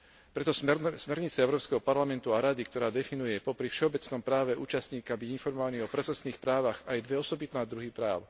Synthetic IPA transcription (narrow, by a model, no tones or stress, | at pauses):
pɾɛt̪ɔsmɛɾɲit͡sɛɛʊɾɔːpskɛɦɔpaɾlamɛnt̪uaɾad̪ikt̪ɔɾaːd̪ɛfinujɛpɔpɾifʃɛɔbɛt͡snɔmpɾaːʋɛʔuːt͡ʃast̪ɲiːkabiɟinfɔɾmɔʋaniːɔpɾɛsɛsniːxpɾaːʋaɣajd̪ʋɛɔsɔbit̪naːd̪ɾuɦipɾaːʊ